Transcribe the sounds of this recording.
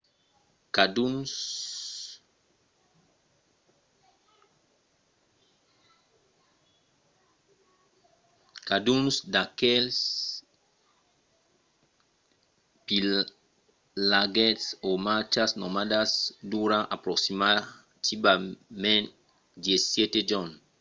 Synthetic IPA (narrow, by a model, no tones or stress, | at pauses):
kad̪u | kad̪unsd̪akɛls | pi | laɡɛt̪somat͡ʃasnomad̪asd̪uɾãʔapɾoksima | t̪ibamẽnt | d̪jesjɛt̪ed͡ʒɔ̃n